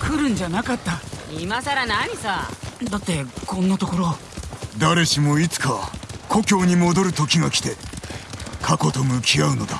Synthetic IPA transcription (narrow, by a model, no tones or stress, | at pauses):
kʰɯ̟ɾɯ̟̃ɲ̟d͡ʑanakat̪ːaimasaɾanaɲ̟isad̪at̪ːe̞kõ̞nːat̪o̞ko̞ɾo̞ | d̪aɾe̞ɕimo̞it͡sɨ̥kakʰo̞kʲo̞ːɲ̟imo̞d̪o̞ɾɯ̟t̪o̞kʲiŋakʲi̥t̪e̞ | kʰako̞t̪o̞mɯ̟kʲiaɯ̟no̞d̪a